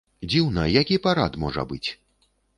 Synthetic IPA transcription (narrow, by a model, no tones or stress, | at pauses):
d͡zʲiwnɐjakʲipaɾat̪mɔʐɐ̰bɨt͡sʲ